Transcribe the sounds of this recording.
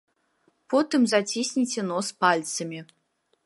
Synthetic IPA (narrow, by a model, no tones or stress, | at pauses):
pot̪ɨmzatʲisʲnʲitʲenospalʲt̪sɨmʲi